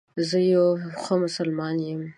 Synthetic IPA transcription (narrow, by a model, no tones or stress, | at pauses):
zəjawxəmʊsəlmɑnjəm